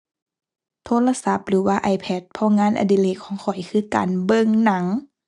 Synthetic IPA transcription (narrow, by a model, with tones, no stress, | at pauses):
t̪ʰoː˧˥˨la˧sa˧˦p̚lɯː˨˦waː˧ʔa˨˩jpʰɛ˧˩t̪̚pʰɔː˧˥˨ŋaː˧˥˨nʔa̰˨di˧˦leː˧˩kʰːɔː˨˦ŋkʰɔ˨˩jkʰɯː˧˨ka̰ː˨nbɤ˧˨ŋna˨˦ŋ